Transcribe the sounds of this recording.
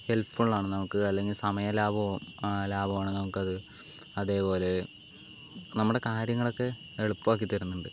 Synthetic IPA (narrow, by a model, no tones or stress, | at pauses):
he̞lfuɭːaːɳɨnɐmukːɨɐlːe̞ŋɡilsɐmɐjɐlaːbɐlaːbɐʋaːɳɨnɐmukːɐðɨ | ɐðe̞ːpo̞ːle̞ | nɐmːuɽe̞kaːɾjɐŋːɐɭo̞kːe̞ | eɭupːuʋaːk̬ːit̪ːɐɾunːuɳɖɨ